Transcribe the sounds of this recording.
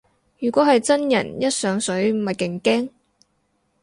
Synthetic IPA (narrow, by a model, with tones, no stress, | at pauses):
jyː˨˩kʷɔː˨˥ɦɐ˨jt͡sɐ˥njɐ˨˩njɐ˥t̚sœː˨˥ŋsɵ˨˥ɥm̩˨˩mɐ˨jkɪ˨˩ŋkɛː˥ŋ